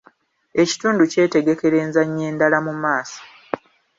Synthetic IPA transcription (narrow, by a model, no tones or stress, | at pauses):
e̞ci̥tuːnduce̞ːte̞ɡe̞ke̞ɾe̞ːnzaɲːe̞ːndalamumaːsḁ